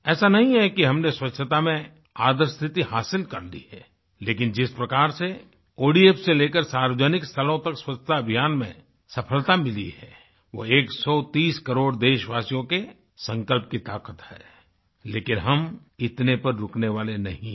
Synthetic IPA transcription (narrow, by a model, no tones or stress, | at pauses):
ɛːsanɐɦĩɦɛkiɦɐmneswɐtʃʰət̪amẽ | aːd̪əɾst̪ʰɪt̪ihaːsɪlkɐɾlḭhɛː | leːkɪnd͡ʒɪspɾɐkaːɾse | oːɖieːfseleːkəɾsaːɾʋəd͡ʒənɪkst̪ʰəlõt̪ɐkswɐtʰːət̪aɐbʱijaːnmḛ̃ | sɐpʰəlt̪amɪlḭɦɛː | ʋo̰eːksɔːt̪iːskɐɾoːɽd̪eːʃʋaːsijõke | sɐ̃ŋkəlp̚kit̪aːkət̪hɛː | leːkɪnɦɐm | ɪt̪nepɐɾːʊkneʋaːlenɐɦĩ